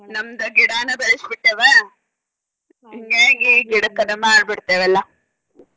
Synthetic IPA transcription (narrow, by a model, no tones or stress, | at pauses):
nɐmd̪ɐɡiɽaːnːɐbɐɾisbiʈːeːʋe | iŋɡeɡiːɡiɽɐkːɐnɐmaːɾbiɽt̪ːeːʋɛlːɐ